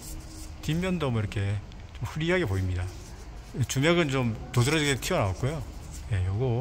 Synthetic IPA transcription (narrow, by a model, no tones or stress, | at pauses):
timːjʌndʌmiɾʌkʰe̞ | t͡ɕomɸɯɾiɦaɡe̞poimɲida | et͡ɕumjaɡɯnt͡ɕomtodɯɾʌiɡetʰiʌnaok͈̚ojo | je̞joɡo